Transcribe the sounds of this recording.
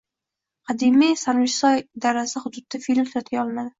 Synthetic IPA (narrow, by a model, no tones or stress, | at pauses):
qʰɑd̪imijsaɾvɪʃsɒjd̪aɾasɪhʊd̪ʊd̪̚ːafilmsɒt̪ʰɡʲaɒlˠmad̪ɪ